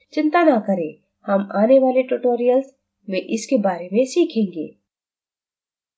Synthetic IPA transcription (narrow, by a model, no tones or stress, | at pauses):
t͡ʃɪ̃nt̪anakɐɾẽ | hɐmaːneʋaːleʈuʈoːɾijəlz | mẽʔɪskebaːɾemẽsiːkʰẽːŋɡḛː